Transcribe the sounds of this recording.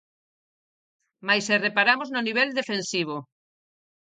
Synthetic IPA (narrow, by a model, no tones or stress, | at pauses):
majserepaɾamoznoniβ̞ɛld̪efensiβ̞o